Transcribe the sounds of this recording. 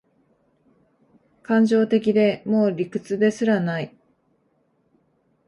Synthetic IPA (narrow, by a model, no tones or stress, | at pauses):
kãɲ̟d͡ʑo̞ːt̪e̞k̬ʲid̪e̞mo̞ːɾʲikɯ̟t͡sɨd̪e̞sɨɾanai